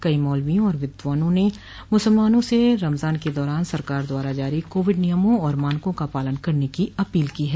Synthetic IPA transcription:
kɐimɔːlʋijõɔːɾʋɪd̪ʋaːnõne | mʊsəlmaːnõseɾɐmzaːnked̪ɔːɾaːnsɐɾkaːɾd̪waːɾad͡ʒaːɾikoːʋɪɖnijəmõɔːɾmaːnkõkapaːlənkɐɾnekiɐpiːlkiːɦɛː

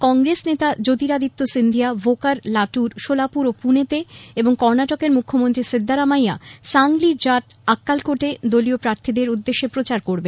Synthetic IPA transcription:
kɔŋɡɾesnet̪ad͡ʑot̪iɾad̪it̪ːosind̪ʱijabʱokaɾlaʈuɾʃolapuɾopunet̪eeboŋkɔɾnaʈokeɾmukʰːomont̪ɾisid̪ʱːaɾamaja̰saŋlid͡ʑaʈ | akːalkoʈed̪oliopɾaɾt̪ʰid̪eɾud̪ːeʃːepɾot͡ɕaɾkoɾbe

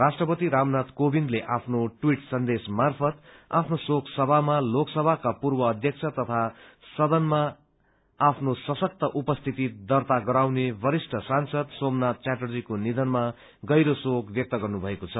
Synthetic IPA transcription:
rasʈrʌpʌt̪iɾamnat̪kobind̪leʔapʰnoʈwiʈsʌnd̪esmarpʰʌt̪a̰pʰnosoksʌbʱamaloksʌbʱakapurbʌːd̪ʱjʌkt͡sʰʌt̪ʌt̪ʰa | sʌd̪ʌnmaː | pʰnosʌsʌk̚t̪ʌʔupʌst̪ʰit̪id̪ʌrt̪aɡʌɾawnebʌɾisʈʰʌsansʌd̪somnat̪̚t͡saʈʌrd͡zikonid̪ʌnma | ɡʌjɾosokbjʌk̚t̪ʌɡʌrnubʱʌekot͡sʰʌ

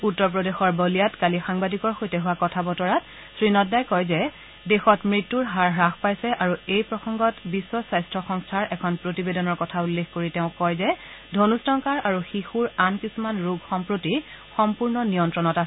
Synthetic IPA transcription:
utːɔɹp̬ɹɔdexɔɹbɔlijatkalixaŋbadikɔɹxojtɛɦʊwakɔtʰabɔtɔɹat | sɹinɔtdajkɔjzɛ | dexɔtmɹitːuɹɦaɹɹaxpajsɛʔaɹuejpɹɔsɔŋɡɔtbisːɔsajstʰɹɔxɔŋstʰaɹɛkʰɔnpɹotibedɔnɔɹkɔtʰaulːexkoɹitɛʊ̃kɔjzɛ | dʱonustɔŋkaɹaɹuxixuɹankisumanɹuɡxɔmpɹoti | xɔmpuɹnɔnijɔntɹɔnɔtasɛ

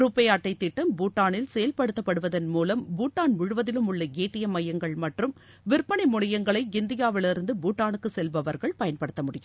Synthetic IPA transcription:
ɾupːɐjaːʈːɐɪt̪ːɪʈːɐmbuːʈːaːnɪlsɛjɐlpɐɽɯt̪ːɐpːɐɽɯʋɐðɐnmuːlɐmbuːʈːaːnʋɪɻɯʋɐðɪlɯmʊɭːɐɡeːʈːɪjɐmɐjɐŋɡɐɭmɐʈrɯm | ʋɪɾpːɐɳɪmʊɳɪjɐŋɡɐɭɐɪɪnd̪ɪjaːʋɪlɪɾɯnd̪ɯbuːʈːaːnɯkːɯsɛlbɐʋɐɾɣɐɭpɐjɐnpɐɽɯt̪ːɐmʊɽɪjɯm

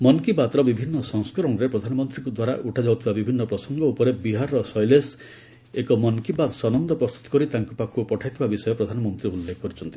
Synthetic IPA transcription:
mɔnkibad̪ɾɔbibʱinːɔsɔŋskɔɾɔnɾepɾɔd̪ʱanɔmɔnt̪ɾiŋkud̪waɾa̰ʔuʈʰad͡ʒawt̪ʰibabibʱinːɔpɾɔsɔŋɡɔupɔɾebiɦaɾːɔsɔjles | ekɔmɔnkibad̪sɔnɔnd̪ʱɔpɾɔst̪u̥t̪ɔ̥kɔɾit̪aŋkupakʰupɔʈʰajt̪ʰibabisɔjɔpɾɔd̪ʱanɔmɔnt̪ɾiulːekɔkɔɾut͡ʃʰɔnt̪i

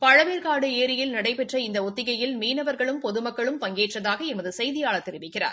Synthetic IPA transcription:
pɐɻɐʋeːɾkaːɽɯeːɾɪjɪlnɐɽɐɪpɛʈrɐɪnd̪ɐɔt̪ːɪɣɐjɪlmiːnɐʋɐɾɣɐɭɯmpɔðɯmɐkːɐɭɯmpɐŋɡeːʈrɐðaːɣɐɛmɐðɯsɛjðɪjaːɭɐt̪ːɛɾɪʋɪkːɪra̰ːɾ

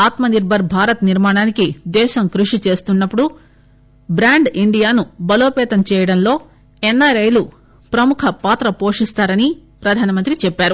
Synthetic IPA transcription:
aːt̪mɐniɾbʱɐɾbʱaːɾɐt̪niɾmaːɳaːnikid̪ɛːʃɐmkɾuʂit͡ʃe̞ːst̪unːɐpːuɽu | bɾaːɳɖiɳɖijaːnubɐloːpɛːt̪ɐmt͡ʃɛːjɐɽɐnlo̞ː | enːaːɾɐjlu | pɾɐmukʰɐpaːt̪ɾɐpo̞ːʂist̪aːɾɐnipɾɐd̪ʱaːnɐmɐnt̪ɾit͡ʃɛpːaːɾu

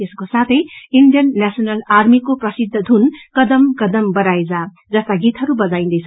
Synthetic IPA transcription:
t̪eskosat̪ʰʌjiɳɖijʌnːasʌnʌlarmikoprʌsid̪ʱːʌd̪ʱunkʌd̪ʌmkʌd̪ʌmbʌɾajd͡za | d͡zʌst̪aɡit̪ɦʌɾubʌd͡zaĩnd̪ʌjt͡sʰʌ

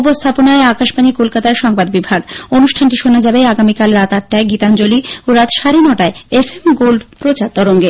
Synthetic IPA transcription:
post̪ʰaponaeakaʃpanikolkat̪aeɾʃɔŋbad̪bibʱaɡonuʃʈʰanʈiʃonad͡ʑabeaɡamikalɾat̪aʈ̚ːaeɡit̪and͡ʑolioɾat̪ʃaɾinɔʈaeefʰemɡolɖpɾot͡ɕaɾt̪ːɔɾoŋɡe

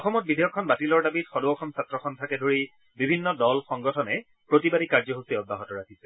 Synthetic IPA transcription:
ɔxɔmɔt̚bidʱijɔkʰːɔnbatilɔɹdabitxɔdoɔxɔmsatɹɔkʰɔntʰakɛdʱoɹi | bibʱinːɔdɔlxɔŋɡɔtʰɔnɛ | pɹotibadikaɹzɔɦosiɔd̚baɦɔtɔɹakʰisɛ̥

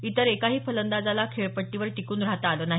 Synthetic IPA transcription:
it̪əɾekaɦiːpʰələnd̪ad͡zalakʰeɭpəʈːiʋəɾʈ̪ikuːnɾaɦt̪aalonaɦ

